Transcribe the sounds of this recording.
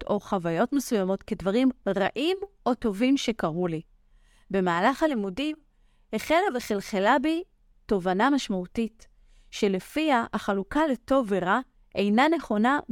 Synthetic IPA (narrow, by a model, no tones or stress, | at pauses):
to̞χavajo̞tme̞sujamo̞tke̞dvaʁimʁaʔim | o̞to̞vimʃe̞kaʁuli | be̞maːlaχalimudim | heχelaveχelχelabi | to̞vanamaʃmautit | ʃe̞le̞fiaʔaχalukale̞to̞veʁa | ʔe̞jnane̞χo̞na